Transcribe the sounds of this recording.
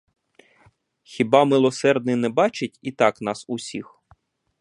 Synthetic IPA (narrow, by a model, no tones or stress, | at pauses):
xʲibɑmɪlˠɔsɛrd̪nɪnɛbɑt͡ʃɪtʲit̪ɑknɑsʊsʲix